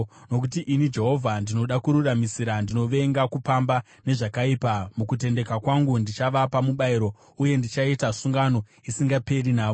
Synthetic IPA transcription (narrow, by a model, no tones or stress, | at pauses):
no̞k̬utiʔinid͡ʒe̞ɦo̞vʱandino̞ɗakuɾuramisiɾandino̞ʋe̞ŋɡakupamba | ne̞ʐakaipamukut̬e̞nde̞kakwaŋɡundit͡ʃaʋapamuɓaiɾo̞ | uje̞ndit͡ʃaitasuŋɡano̞ | isiŋɡape̞rinaːʋo